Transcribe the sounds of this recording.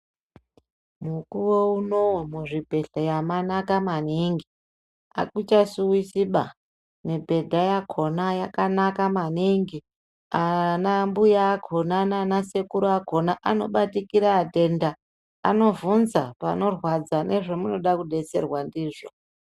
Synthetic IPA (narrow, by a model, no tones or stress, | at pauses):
mukuwouno̞umuʐibʱe̞ɬajamanakamaniŋɡi | a̰kut͡ʃasuwisiɓa | nebʱe̞dʱajakʰo̞najakanakamaniŋɡi | anambujaːkʰo̞nananase̞kuɾoakʰo̞naʔano̞ɓatikiɾaːte̞nda̰ː | no̞vunzapano̞rwad͡zanʔe̞ʐemuno̞ɗakuɗe̞se̞̰rwandiːʐo